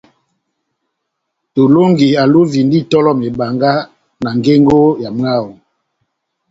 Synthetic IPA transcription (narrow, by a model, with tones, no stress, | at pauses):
to˨lo˦ŋɡi˨a˨lo˦vi˨ndi˦tɔ˦lɔ˦me˨ba˨ŋɡa˦ | na˨ŋɡe˦ŋɡo˦ja˨m˦a˦˨wo˨